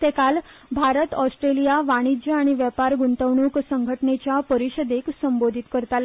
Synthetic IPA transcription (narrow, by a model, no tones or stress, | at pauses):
t̪ekal | bʱaɾət̪ɔsʈɾelijaʋaɽ̃id͡ʑəaɽ̃iʋjəpaɾɡuɳt̪əʋɳ̃uːksəŋɡʱəʈnet͡ɕjapəɾiɕəd̪eksəmbod̪ʱit̪kəɾt̪al